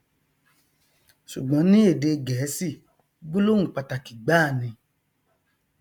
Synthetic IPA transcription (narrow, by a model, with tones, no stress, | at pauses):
ʃu˨ɡ͡bɔ̃˨˦nĩ˦e˦˨de˧ɡɛː˨˦si˦˨ | ɡ͡bu˦lo˦ũ˦˨k͡pa˨ta˨ki˨ɡ͡ba˦˨nĩ˧